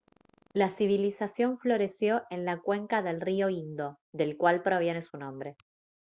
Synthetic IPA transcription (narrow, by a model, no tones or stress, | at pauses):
lasiβilisasjo̞ɱflo̞ɾe̞sjo̞ʔe̞nlakwe̞ŋkaðe̞lrioind̪o̞ | ðe̞lkwalpɾo̞βje̞ne̞sunõ̞mbɾe̞